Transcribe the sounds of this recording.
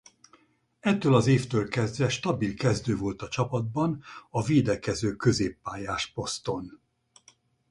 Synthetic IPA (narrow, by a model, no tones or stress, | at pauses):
ɛt̪ːøːlɒzeːft̪øːlkɛzd̪vɛʃt̪ɒbilkɛzd̪øːvo̞lt̪ɒt͡ʃɒpɒd̪̚bɒnɒveːd̪ɛkɛzøːkø̞zeːpːaːjaːʃpo̞st̪o̞n